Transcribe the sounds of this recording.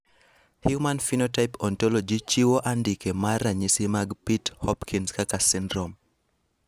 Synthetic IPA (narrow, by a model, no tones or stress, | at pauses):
hjumanfinɔtajpɔntɔlɔd͡ʒit͡ʃiwoʔandikemaɾaɲisimaɡpithɔpkʰinskakasindɾɔm